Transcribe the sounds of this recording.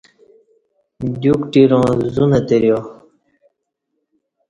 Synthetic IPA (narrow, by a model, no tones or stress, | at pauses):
d̪jukʈiɾõːzunət̪eɾjo